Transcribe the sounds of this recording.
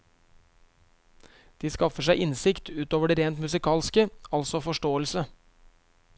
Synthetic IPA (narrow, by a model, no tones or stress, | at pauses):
d̪̥iːskɑfəʂ̬æɪʔɪnsɪkt̪ʰʉːt̪oːʋəɖeːɾeːnt̪mʉsɪkʰɑːlskəɑlsɔfɔʂʈoːəlsə